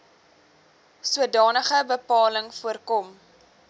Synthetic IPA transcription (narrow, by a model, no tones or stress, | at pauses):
suədɑːnəχəbəpɑːləŋfuərkɔm